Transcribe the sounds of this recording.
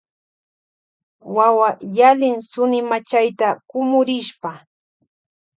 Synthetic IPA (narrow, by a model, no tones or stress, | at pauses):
wawajalɪŋsʊnɪmat͡ʃajt̪akʊmʊɾɪʃpa